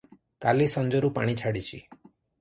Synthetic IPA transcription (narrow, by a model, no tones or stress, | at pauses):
kalisɔnd͡ʒɔɾupa̰ɽ̃it͡ʃʰaɽit͡ʃʰḭ